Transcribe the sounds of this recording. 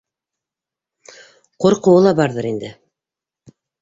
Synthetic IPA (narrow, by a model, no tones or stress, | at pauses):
qŏɾqŏwɤlˠɑbɑɾðɤɾind̪ɘ